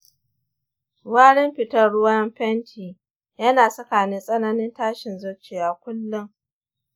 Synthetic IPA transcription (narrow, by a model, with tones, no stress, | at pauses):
waː˦ɽɪ˦mɸɪ˨tɐ˦ɽʊ˦wɐ˦mɸɛ˦ntʰiː˨ | jɐ˦naː˨sɐ˦kaː˨nɪ˦sʼɐ˦nɐ˦nɪ˦ntaː˦ʃɪ˨nzʊ˦t͡ʃeː˨jaː˨kʷʊ˦lːʊ˦ŋ